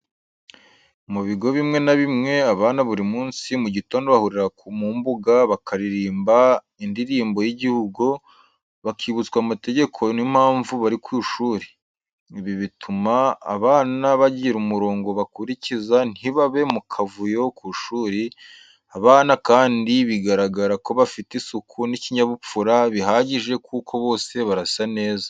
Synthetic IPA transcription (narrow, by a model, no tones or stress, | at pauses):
muβiɡo̞βimŋe̞naβimŋe̞aβaːnaβuɾimuːnsimuɟito̞ːndoβahuɾiɾakumuːmbuɡaβakʰaɾiɾiːmba | indiɾiːmbo̞jiɟihuɡu | βakʰiβut͡skwamate̞ɟe̞kʰo̞nimhaːɱvuβaɾikwiːʃuːɾi̥ | iβiβitʰuma̰ːβaːnaβaɟiɾumuɾo̞ːŋɡo̞βakuɾicizan̥hiβaβe̞mukʰavujokuʃuːɾi | aβaːnakaːndiβiɡaɾaɡaɾako̞βafitisukʰuniciɲaβup͡fuɾaβiɦaːɟiʒe̞kukʰo̞βo̞ːse̞βaɾasane̞ːza